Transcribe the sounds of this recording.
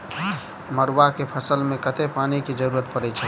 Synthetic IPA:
məɾwakepʰəsəlmekət̪epaniked͡ʒəɾuɾət̪pəɾɛt͡ʃʰɛ

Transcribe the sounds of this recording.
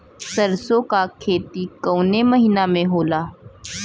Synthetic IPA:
səɾsokakʰeːt̪ikəwneməɦiːnamẽɦoːlaː

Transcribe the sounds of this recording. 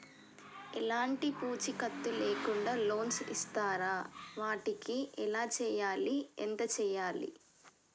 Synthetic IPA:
ɛlaːɳʈipuːt͡ʃikɐt̪ːuleːkuɳɖaːlo̞ːnsist̪aːɾaːʋaːʈikiʔɛlaːt͡ʃɛːjaːliɛnt̪ɐt͡ʃɛːjaːlḭ

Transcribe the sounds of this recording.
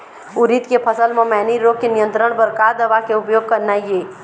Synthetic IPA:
ʊɾit̪kepʰəsəlmẽmɛːniɾokenɪjə̃nt̪ɾəɳ̃bəɾkad̪əʋakeʊpjoːɡ̚kəɾnajeː

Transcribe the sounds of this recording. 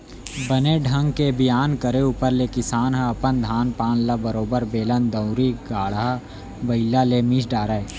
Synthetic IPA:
bəneɖʱɐ̃ŋɡkebɪjaːnkəɾeuːpəɾlekɪsaːnɦaɐpənd̪ʱaːnpaːnlɐbəɾoːbəɾbeːlənd̪ɐ̃ʊɾiɡaːɭɦa | bɐɪlːaleːmiːʃɖaːɾae

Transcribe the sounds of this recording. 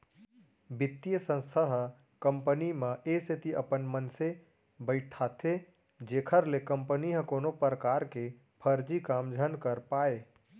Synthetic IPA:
bɪt̪ːijəsə̃nst̪ʰəɦə | kə̃mpənimẽʔeset̪iʔəpənmənse | bəɪʈʈʰːat̪ʰe | d͡ʒeːkʰəɾlekəmpəniɦə̃koːnopɾəkaɾke | pʰəɾd͡ʒikaːmd͡ʒʱənkəɾpae

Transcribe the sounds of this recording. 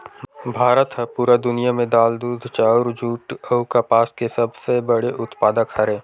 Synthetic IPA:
bʱaːɾət̪ɦəpuːɾad̪ʊnijamẽd̪aːld̪uːd̪ʱt͡ʃaːʊɾd͡ʒuːʈəʊkapaːskesɐbsebəɽeʔʊt̪paːd̪əkhɐɾẽː

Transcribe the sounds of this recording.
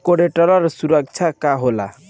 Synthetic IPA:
koɽeʈʌlʌɾsuɾʌk̚t͡ʃʰakaɦola̰

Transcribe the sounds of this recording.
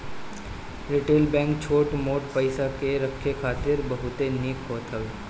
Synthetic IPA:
ɾɪʈeːlbɛ̃ːŋkt͡ʃʰoːʈmoːʈpəɪsakeɾɐkʰːekʰaːt̪ɪɾbɐɦʊt̪eneːkɦoːt̪ɦɐe

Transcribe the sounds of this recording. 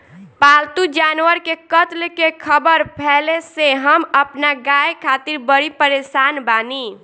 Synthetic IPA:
palt̪ud͡ʒanwəɾkekət̪lkekʰəbəɾpʰɛleseɦəməpnaɡajkʰat̪iɾbəɾipəɾesanbani

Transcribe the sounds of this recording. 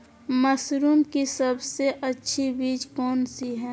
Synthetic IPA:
mɐsɾuːmkisɐbseʔɐtːʃʰibiːd͡ʒkɔːnsiɦɛː

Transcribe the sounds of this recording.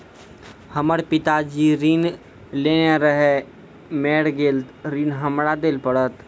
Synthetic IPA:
həməɽpɪt̪ad͡ʒiɾiːn | leːneɾəɦe | meːɽɡeːlɾiːnɦəmɾad̪eːlpəɽət̪

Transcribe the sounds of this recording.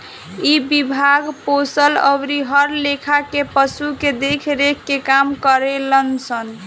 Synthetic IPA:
ibibʱaɡposələ̰bɾiɦəɾlekʰakepəsuked̪ekʰɾekʰːekamkəɾelənsən

